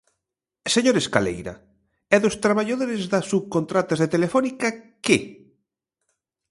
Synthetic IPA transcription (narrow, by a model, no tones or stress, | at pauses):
seɲoɾeskalḛjɾɐ̰ | ɛðʊst̪ɾaβaʎaðoɾezðɐsuβkont̪ɾat̪azðet̪elefɔnika | ke